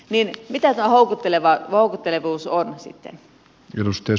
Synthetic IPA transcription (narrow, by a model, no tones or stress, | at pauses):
ninmit̪æt̪uɑhoˑukut̪ːeleʋɑoˑukut̪ːeleʋuːsonsḭt̪ːḛn | enost̪e